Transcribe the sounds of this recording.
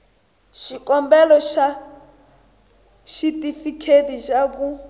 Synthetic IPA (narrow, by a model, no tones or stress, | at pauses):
ʃikɔmbɛlɔʃa | ʃitʼifikʰetiʃak̬u